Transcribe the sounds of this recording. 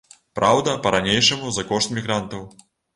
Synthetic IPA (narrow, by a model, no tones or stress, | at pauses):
pɾawd̪ɐpɐɾanʲejʂɐmuzɐkɔʂt̪mʲiɣɾant̪ɐw